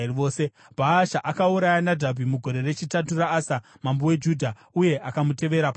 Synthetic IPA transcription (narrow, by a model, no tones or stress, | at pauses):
ʋo̞ːse | b̥ʱaːʃaʔakauɾajanadʱabʱimuɡʱo̞ɾe̞re̞t͡ʃitaturaːsa | mambowe̞d͡ʒudʱa | uje̞ʔakamute̞ʋe̞ɾap